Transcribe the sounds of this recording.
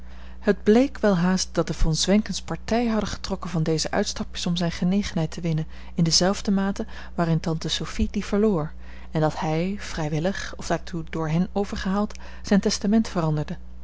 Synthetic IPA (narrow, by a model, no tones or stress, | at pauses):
həd̚blejkʋɛlˠɦaːst̚d̥ɑt̚dəvɑnzʋɛŋkənspɑɹtɛjəɦɑdəχə̥trɔkənvɑndejzəʔœ̰ɥtstɑpɪsɔmzɛjnχənejχənɦɛjtəʋɪnən | ɪndəzɛlˠvdəmaːtə | ʋaːrɪntɑntəsowfid̥iv̥əɹloːɹ | ɛndɑthɛjv̥rɛjʋɪləχɔfdaːɹtʰudʊːɹɦɛnowvəɹχəɦaːlˠt | z̥ɛjntɛstamɛntfərɑndəɹdə